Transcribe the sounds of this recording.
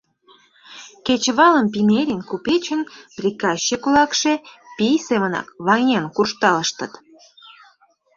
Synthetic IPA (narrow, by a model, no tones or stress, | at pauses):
ket͡ɕβɑləmp̬ineɾʲinkupet͡ɕənprʲikɑɕːekulɑkʃepijseβənɑ̰kβɑnʲenkurʃt̪ɑləʃt̪ə̆t̪